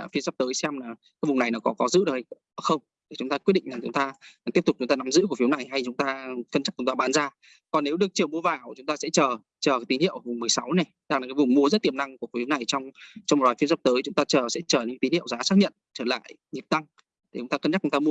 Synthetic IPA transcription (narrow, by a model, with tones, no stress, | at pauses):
a̰ː˧˩fi˨˦za˨˩p̚t̪əː˨˦jsɛ˧mlaː˨˩kaː˨˦jvʊ˨˩ŋ͡mna˨˩jnɔ˨˦wkɔ˨˦kɔ˨˦zɨ̰˧˥ɗə˨˩hjxə˧wŋ͡m | t̪ʰi˨˩t͡ɕʊ˨˦ŋ͡mt̪aː˧ki˦˥t̚ɗḭ˧˨ŋ̟laː˨˩ŋt͡ɕʊ˨˦ŋ͡mt̪aː˧t̪i˦˥əp̚t̪ʊ˨˩t͡ɕʊ˨˦ŋ͡mt̪ːna˨˦mzɨ̰˧˥ku˧˩əfwna˨˩jɦa˧jt͡ɕʊ˨˦ŋ͡mt̪aː˧kə˧nt͡ɕa˦˥t͡ɕʊ˨˦ŋ͡mt̪aː˧ɓaː˨˦nzaː˧ | kɔ˨˩nːe˨˦wɗɨ˨˩ət͡ɕi˨˩wmu˧əvaː˨˩wt͡ɕʊ˨˦ŋ͡mt̪aː˧sɛ̰˧˥t͡ɕəː˨˩ | t͡ɕəː˨˩ka˨˦t̪i˨˦nhḭ˧˨əwʔvʊ˨˩ŋ͡mmɨ˨˩əjsa˨˦wne˨˩ | ɗaː˧˩ŋaː˨˩kaː˨˦jvʊ˨˩ŋ͡mmu˧əzə˦˥t̚t̪i˨˩əmna˧ŋku˧˩fi˨˦wna˨˩jt͡ɕɔ˧wŋ͡mt͡ɕɔ˧ŋ͡mm̚˨˩laː˨˩fi˨˦zɔ˧˩p̚t̪əː˨˦jt͡ɕʊ˨˦ŋ͡mt̪aː˧t͡ɕəː˨˩sɛ̰˧˥t͡ɕəː˨˩ɲə̰˧˥k̪i˨˦nhḭ˧˨əwzaː˨˦saː˦˥k̚ɲə̰˧˨nt͡ɕəː˧˩la̰ː˧˨jɲi˨˩p̚t̪a˧ŋʰ | i˨˩t͡ɕʊ˨˦ŋ͡mt̪aː˧kə˧nt͡ɕa˦˥k̚t͡ɕŋ͡mt̪aː˧mu˧ə